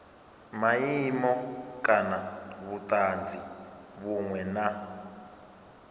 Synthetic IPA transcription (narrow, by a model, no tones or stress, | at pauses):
majimɔkʼanaβutʼaːnd͡zʱiβuŋwɛna